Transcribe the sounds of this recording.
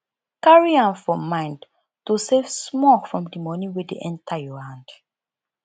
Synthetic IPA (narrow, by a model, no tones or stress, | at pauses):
kaɹiãmfɔmãɪ̃nd | tusevsmɔlfɹɔ̃mdəmɔnĩwɛdeʔɛ̃ntʰajɔhãnd̥